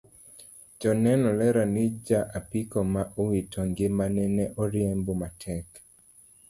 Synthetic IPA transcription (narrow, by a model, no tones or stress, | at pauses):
d͡ʒɔnɛnɔlɛɾanid͡ʒaʔapikɔmaʔɔwitɔŋɡɪmanɛnɛʔɔɾjembomatʰɛk